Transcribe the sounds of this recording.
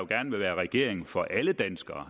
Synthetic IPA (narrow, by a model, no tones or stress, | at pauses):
joɡ̥æɐnəʋe̝ʋæːɐʁɛɡ̥e̝̰ɐ̰eŋ̩fɒ̽ʔæləd̥ænsɡ̥ɐː